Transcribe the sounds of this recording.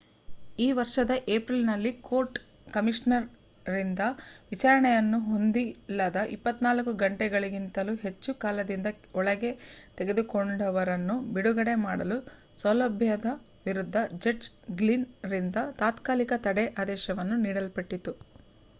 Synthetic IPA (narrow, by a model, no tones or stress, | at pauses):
iːʋɐɾʂɐd̪ɐʔeːpɾilnɐlːiko̞ːɾʈ | kɐmiʂnɐɾ | ɾind̪ɐʋit͡ʃaːɾɐɳɛjɐnːuɦo̞nd̪ilːɐd̪ɐʔipːɐt̪ːnaːlɐkuɡɐɳʈɛɡɐɭiɡint̪ɐluɦe̞t͡ʃːukaːlɐd̪ind̪ɐ | ɔɭɐɡe̞t̪e̞ɡe̞d̪ukoɳɖɐʋɐɾɐnːubiɽuɡɐɽe̞maːɽɐlu | sɐlɐbʱjɐd̪ɐ | ʋiɾud̪ʱːɐd͡ʒeʈ | ɡlinɾind̪ɐt̪aːt̪kaːlikɐt̪ɐɽɛʔaːd̪ɛːʃɐʋɐnːuniːɽɐlpɐʈːit̪u